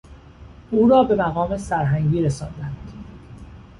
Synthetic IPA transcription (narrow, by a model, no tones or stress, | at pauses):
ʔuːɾɒːbe̞mæɣɒːme̞sæɾɦæŋɡiːɾesɒːnd̪ænd̪̥